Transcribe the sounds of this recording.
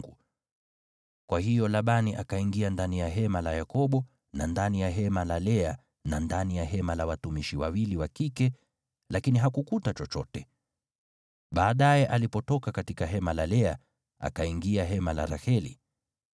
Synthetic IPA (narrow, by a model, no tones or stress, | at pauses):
ɡu | kwahijɔlaɓaniʔakaiŋɡiandanijaɦɛmalajakɔɓɔ | nandanijaɦɛmalalɛa | nandanijaɦɛmalawatumiʃiwawiliwakikɛ | lakiniɦakukutat͡ʃɔt͡ʃɔtɛ | ɓaːɗajɛʔalipɔtɔkakatikaɦɛmalalɛa | a̰kaiŋɡiaɦɛmala̰ɾahɛlḭ